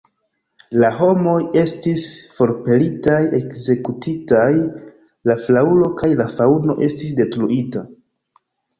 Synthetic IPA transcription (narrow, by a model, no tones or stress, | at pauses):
laɦo̞mo̞je̞stisfo̞ɾpe̞litaje̞kze̞kutʰitaj | laflaulo̞kajlafauno̞̰ʔe̞stis̬de̞tɾuʔita